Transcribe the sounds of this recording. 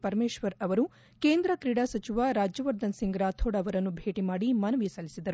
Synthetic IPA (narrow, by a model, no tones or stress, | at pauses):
pɐɾmeːʃʋɐɾɐʋɐɾu | keːnd̪ɾɐkɾiɽaːsɐt͡ʃiʋaːɾaːd͡ʒjɐʋɐɾd̪ɐnsiŋɡɾaːt̪ʰoːɽɐʋɐɾɐnːubʱeːʈimaːɽimɐnɐʋisɐlisid̪ɐɾu